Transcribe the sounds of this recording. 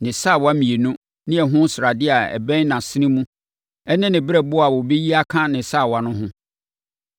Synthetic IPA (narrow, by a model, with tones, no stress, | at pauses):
nɪ̃˨sa˦˨wa˦mĩ˨e˨nũ˦ | nɪ̃˦ɛ˨ɦʊ̃˦sɾa˨dɪ˦a˨ɛ̰˨bɛ̃˦nã˨sɪ˦ɪ̃˦mũ˦ | ɛ˦nɪ̃˦nɪ̃˨bɪ˦ɾɛ˦bʊ˦a˨wʊ˨be˦ji˦a˦kʰã˦nɪ̃˨sa˦˨wa˨nʊ̃˦ɦʊ̃˦